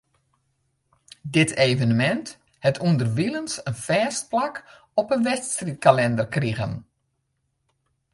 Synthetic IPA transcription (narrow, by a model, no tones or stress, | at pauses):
dɪtʰeːvənəmɛnt | hɛtʰundərʋilənsənfɛːst̚plak | ɔpənʋɛstrit̚kalɛndərkriɣə̰n